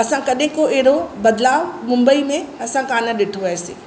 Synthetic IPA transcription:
ɐsãkɐɗɦɪ̃koʔeɦɪɾobɐd̪laːʋmʊ̃mbəimẽɐsãkaːnəɗɪʈʰoʋɐɦesḛː

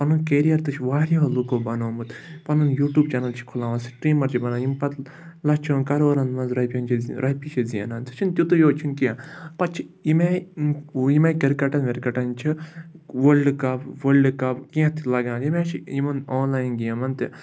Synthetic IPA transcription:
pɐnunkeɾijɐɾt̪ɨt͡ʃʰʋaːɾiolukoːbɐnoːmut̪pɐnunjuːʈjuːbt͡ʃɐnɐlt͡ʃʰi̥kʰulaːʋɐnsʈɾiːmɐɾt͡ʃʰibɐnaːnjimpɐt̪ | lɐt͡ʃʰoːnkɐɾoːɾɐnd̪mɐnzɾɐpʲɐ̃nt͡ʃʰiɾʔɐipit͡ʃʰiziɐ̰naːnt͡si̥t͡ʃʰint̪ʲut̪ujoːt͡ʃʰinkiãpɐt͡ʃʰiime | jimakɐɾkɐʈɐnʋeɾkɐʈɐnt͡ʃʰi | ʋəlɖkɐpʋəlɖɨkɐpkiẽt̪ʰilɐɡãːnjimeːt͡ʃʰiimɐnoːnlaːjinɡijɐmɐnt̪i

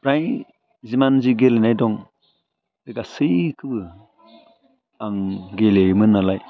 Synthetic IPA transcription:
pɾaj | zimanziɡelenajdɔŋ | deɡasɯjkʰɯbɯ | aŋɡelemɯnalaj

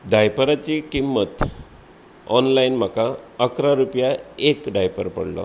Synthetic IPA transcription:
ɖʱajpəɾat͡ɕikimːət̪ | ɔnlajinm̤akaəkɾaɾupjaekɖajpəɾpə̰ɽlɔ̰

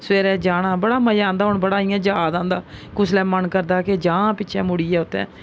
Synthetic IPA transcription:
sʋeːɾɛːd͡ʒaːɽãːbəɽaːməjãːnd̪aːɦʊɳbəɽaːɪjãːd͡ʒaːd̪ãːnd̪aːkʊslɛːmənkəɾd̪aːked͡ʒãːpɪːt͡ʃʰɛ̃ːmʊɽiːɛːʊt̪ːɛ̰̃ː

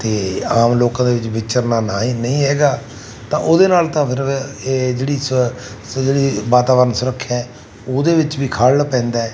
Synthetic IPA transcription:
t̪eːaːmloːkãːd̪eːʋɪt͡ʃbɪt͡ʃəɾnaːnaːɦiːnəĩːɦɛːɡaː | t̪ãːʔoːd̪eːnaːlt̪ãːpʰɪɾed͡ʒeːɽiːs | d͡ʒeːɽiːʋaːt̪aːbəɾənsʊɾəkʰːɛ̃ | oːd̪eːʋɪt͡ʃʋiːkʰaːlːpɛ̃ːnd̪aːɛː

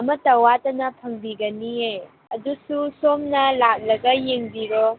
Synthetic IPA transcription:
ɐmɐtɐwatɐnɐpʰɐŋbiɡɐniej | ɐdususomnɐlak̚lɐɡɐjeŋbiɾɔ

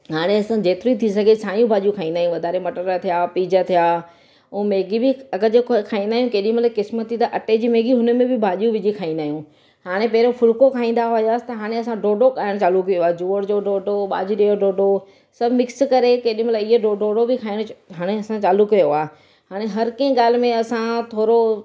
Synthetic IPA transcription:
ɦaːɽ̃eɐsãd͡ʑeːt̪ɪɾoit̪ʰis̬ɐɡʱesʰaːjũbʱaːʄijũkʰaːĩːnd̪aːɦjũʋɐd̪ʱaːɾemɐʈəɾət̪ʰijaːpiːd͡ʑət̪ʰijaː | umeːɡibɪɐɡəd͡ʑokkʰaːĩnd̪aːɦjũkeːɗĩmɐt̪lakɪsmət̪it̪ɐʔɐʈed͡ʑiːmeːɡiɦʊnə̆mẽbɪbʱaːʄijũʋɪd͡ʑikʰaːĩːnd̪aːɦijũ | haːɽ̃epɐɦɾofʰʊlkokʰaːĩːn̆d̪aɦʊjaːsɪ̥t̪ɐɦaːɽ̃eɐsãɖoːɖokaːɪɽ̃t͡ɕaːlukijoaːd͡ʑuːəɽd͡ʑoɖoːɖoɓa̰ːd͡ʑiɗejoɖoːɖo | sɐbʱmɪkskɐɾekeːɗĩmɐt̪laɪɦeɖoɖoːɖobɪkʰaːɪɽ̃ɦaːɽ̃eɐsãt͡ɕaːlʊkɐjoaː | haːɽ̃eɦɐɾkɐ̃ĩɠaːl̤mẽɐsãt̪ʰoːɾo

